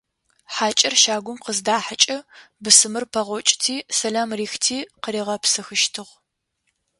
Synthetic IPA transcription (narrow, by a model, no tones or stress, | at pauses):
ħaːt͡ʃʼɐrʃaːɡʷʊmqəzdaːħat͡ʃʼɐbɨsɨmɨrpʰɐʁʷɔt͡ʃʼɪ̥tʰiːsɐlaːmriːxtʰiːqəɾiːʁɐpsɨxɨʃtʰɨʁ